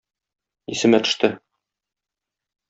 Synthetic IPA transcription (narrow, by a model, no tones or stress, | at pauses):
isɘ̆mæt̪ɵ̥̆ʃt̪ɘ